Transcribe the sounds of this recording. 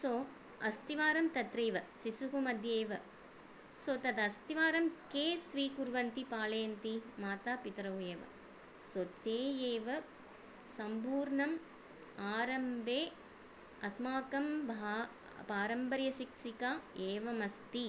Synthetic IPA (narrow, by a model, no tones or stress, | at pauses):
soː | ɐst̪iʋaːɾɐmt̪ɐt̪ɾeːʋɐsisukumɐd̪ʱjeːʋɐ | soːt̪ɐd̪ɐst̪iʋaːɾɐmkeːsʋiːkuɾʋɐnt̪ipaːlɐjɐnt̪imaːt̪aːpit̪ɾɐɦujeːʋɐ̰ | sot̪eːjeːʋɐ | sɐmpuːɾɳɐm | aːɾɐmbʱeː | ɐsmaːkɐmbʱa | paːɾɐmbɐɾjɐsikʂikaːeːʋɐmɐst̪i